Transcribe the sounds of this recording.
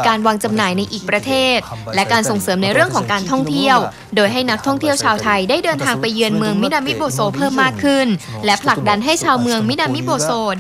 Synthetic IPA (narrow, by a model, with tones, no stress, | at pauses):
kaː˧nwaː˧ŋt͡ɕa˧mnaː˩˦jna˧jʔiː˨˩k̚pɾa˧t̪ʰeː˥˩t̪̚lɛ˦˥kaː˧nso˨˩ŋsɤː˩˦mna˧jɾɯ˥˩əŋkʰɔː˩˦ŋkaː˧nt̪ʰɔ˥˩ŋt̪ʰi˥˩əw | doː˧jɦa˥˩jna˦˥k̚t̪ʰɔ˥˩ŋt̪ʰi˥˩əwt͡ɕʰaː˧wt̪ʰa˧jdaː˥˩jdɤː˧nt̪ʰaː˧ŋpa˧jːɯ˧ənmɯ˧əŋmi˦˥naː˧mi˦˥t̪̚boː˧soː˧pʰɤː˥˩mːaː˥˩kʰːɯ˥˩n | lɛ˦˥pʰla˨˩k̚da˧nɦa˥˩jt͡ɕʰaː˧wmɯ˧əŋmi˦˥naː˧mi˦˥boː˧soː˧